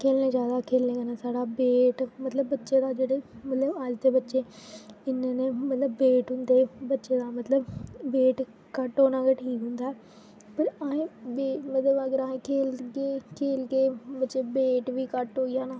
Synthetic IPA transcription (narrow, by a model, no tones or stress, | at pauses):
kʰeːlnẽːd͡ʒjaːd̪aːkʰeːlnẽːkənaːsaːɽaːbeːʈmət̪ləbːətːʃeːd̪aːd͡ʒeːɽeːmət̪ləbəd͡ʒd̪eːbətːʃeːɪnːnẽːmət̪ləbːeːʈɦʊ̃nd̪eːbətːʃeːd̪aːmət̪ləbːeːʈ | kəʈɦoːnãːkeʈʰiːkɦʊ̃nd̪aːɛː | pəɾaːẽːbeːmət̪ləbəɡəɾaːẽːkʰeːlkeːkʰeːlkeːbətːʃeːbeːʈʋiːkəʈɦoːijãːnaː